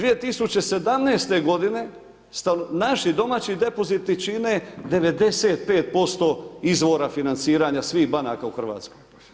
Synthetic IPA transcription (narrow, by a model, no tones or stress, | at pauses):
d̪ʋije̞t̪isut͡ɕe̞se̞d̪amnejst̪e̞ɡo̞d̪ine̞ | st̪anaʃid̪o̞maːt͡ɕid̪e̞po̞zit̪ːit͡ʃine̞d̪e̞ʋe̞d̪e̞se̞ːt̪̚pe̞ːt̪̚po̞st̪o̞izʋo̞ɾafinant̪siːɾaɲasʋiːɣbanakauxr̩ʋa̰ːt̪skoj